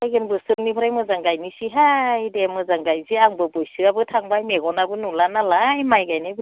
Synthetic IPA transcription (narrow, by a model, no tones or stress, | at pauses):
ajɡɯnbɯsɯŋnipʰɯɾajmɯzaŋɡajnisiɦajdemɯzaŋɡajziaŋbɯbɔjsɯabɯtʰaŋbajmeɡɔnabɯnulanalajmajɡajnab